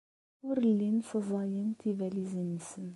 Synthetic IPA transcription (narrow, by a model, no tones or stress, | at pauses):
ʊɾəlːinsəzˤɑjənt̪ivælizənisən